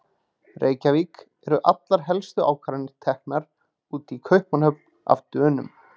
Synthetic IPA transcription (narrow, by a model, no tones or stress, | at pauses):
rʔeːjcavik | ɛɾʏʔat̪laɾ̥ɦɛlst̪ʏa̰ːwkʰvaːɾɪnɪɾ̥t̪ʰɛhk̚naɾ | uːt̪ikʰœɥhpmanhœpn̥a̰vt̪œːnʏm